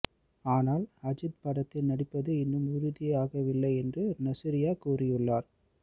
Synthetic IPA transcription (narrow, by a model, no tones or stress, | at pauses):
aːnaːlɐd͡ʒɪd̪pɐɽɐt̪ːɪnnɐɽɪpːɐðɯɪnːɯmʊɾʊðɪjaːɣɐʋɪlːɐɪɛndrɯnɐsɪɾɪjaːkuːrɪjɯɭːaːɾ